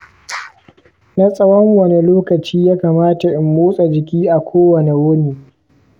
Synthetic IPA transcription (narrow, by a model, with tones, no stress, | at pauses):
na˦sʼɐ˦wɔ˦ŋwɐ˨ne˨loː˦kɐ˨t͡ʃiː˦jaː˦kaː˨maː˦ta˨ʔɪ˨mːoː˦sʼa˨d͡ʒɪ˨kʲiː˦ʔa˨kʷoː˦wɐ˨ne˨wʊ˦niː˨